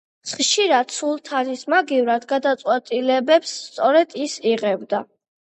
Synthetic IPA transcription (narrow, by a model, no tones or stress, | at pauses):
sχʃiɾat̪sulˠt̪ʰanismaɡivɾad̪ɡad̪at̪sʼwɛt̪ʼilɛbɛpsːt̪sʼɔɾɛd̪̥isiʁɛbd̪a